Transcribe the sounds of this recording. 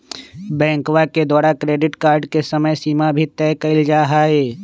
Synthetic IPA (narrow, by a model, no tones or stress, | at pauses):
bɛ̃ːŋkwaked̪aːɾakɾeːɖɪʈkaːɾɖkesəməjsiːmabʱit̪ɛːkɐɪld͡ʒaːɦaːeː